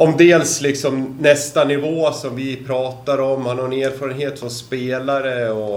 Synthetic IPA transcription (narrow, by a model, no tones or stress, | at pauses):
ɔmd̪eːlslɪksɔmnɛst̪anɪvoːsɔmvɪpʰɾɑːt̪aɾɔmːhanhaɾɛneːɾfɑːɾənheːt̪fɾɔnspeːlaɾəɔ